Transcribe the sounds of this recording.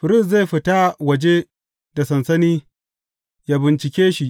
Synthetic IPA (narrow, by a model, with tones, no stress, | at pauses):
ɸɪ˨ɾɪ˦˨s̬za˦˨jɸɪ˨ta˦wɐ˨d͡ʒe˦ | da˨sɐ˨nsɐ˦niː˦ | ja˦bɪ˨nt͡ʃɪ˨kʲeː˦ʃi˨ʔ